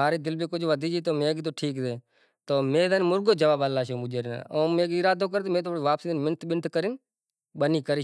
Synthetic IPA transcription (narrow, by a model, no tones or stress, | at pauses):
aːɾeːd̪ɪlbeːkʊd͡ʒʱʋəd̪ʱiːd͡ʒiːt̪oːmẽːɡt̪̬oːʈʰiːkt̪eː | t̪oːmẽːd̪əːnmʊɾɡoːd͡ʒəʋaːbəlːaːʃoːmʊd͡ʒeːɾna̰ːoːmẽːɡɪɾaːd̪oːk̬əɾeːt̪omẽːt̪oːɽːʋaːpsiːd̪nmɪnət̪ɓɪnʈ̪ʰkəɾɪn | ɓəniːkəɾi